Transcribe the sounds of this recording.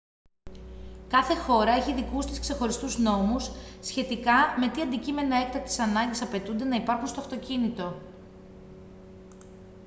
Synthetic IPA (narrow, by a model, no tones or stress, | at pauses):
kɐθe̞xo̞ɾɐeçiðikust̪iskse̞xo̞ɾist̪uzno̞musːçe̞t̪ikɐme̞t̪iɐnd̪icime̞nɐe̞k̚t̪ɐk̚t̪esɐnɐɲɟesɐpe̞t̪und̪e̞nɐipɐɾxunst̪o̞ɐft̪o̞cinit̪o̞